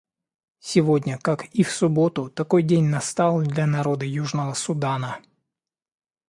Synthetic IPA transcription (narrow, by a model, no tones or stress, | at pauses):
sʲiʋɔdʲnʲɐkakiwsʊbɔt̪ʊt̪ɐkɔjdʲenʲnɐst̪ɑlˠdʲlʲɐnɐɾɔd̪ɨjuʐnɔʋɔsʊd̪ɑnɐ